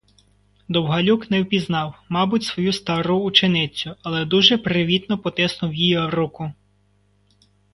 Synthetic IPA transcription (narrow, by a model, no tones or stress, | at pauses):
d̪ɔwɦɐlʲuknɛwpʲiznɑwmɑbʊtʲsʋɔjust̪ɑɾuːt͡ʃenɪt͡sʲʊɐlˠɛd̪uʒɛpɾɪʋʲid̪nɔpɔt̪ɛsnʊwjijɔɾukʊ